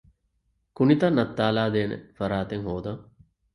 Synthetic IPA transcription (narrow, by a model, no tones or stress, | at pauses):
kunit̪ɐnːɐt̪ːaːlaːd̪eːnə̰fɐɾaːt̪eŋɦoːd̪ɐŋ